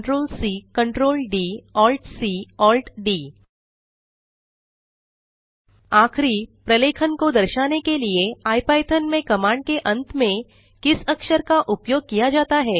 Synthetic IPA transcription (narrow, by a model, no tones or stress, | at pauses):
ʈɾoːlsiːkɐ̃ɳʈɾoːlɖiːɔːlʈsiːɔːlʈɖiː | aːxʰɾipɾɐleːkʰənkod̪ɐɾʃaːnekelieaːipaːɪt̪ʰənmẽkɐmaːɳɖ̚keʔɐ̃nt̪mẽ | kɪsɐkʃəɾkaʔʊpjoːɡ̚kijad͡ʒaːt̪aɦɛː